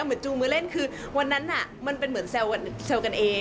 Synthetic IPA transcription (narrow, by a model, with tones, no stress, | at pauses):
wmɯ˩˦ənt͡ɕuː˧mɯː˧le˥˩nkʰɯː˧ | wa˧nːa˦˥nʔa˨˩ma˧npe˧nmɯ˩˦ənsɛ˧wa˧nse˧wka˧nʔeː˧